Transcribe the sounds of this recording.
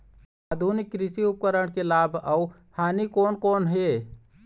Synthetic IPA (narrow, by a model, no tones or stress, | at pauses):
aːd̪ʱunɪkːɾɪsiup̚kəɾəɽ̃kelaːbʱəu | haːnikɔːnkɔːnɦe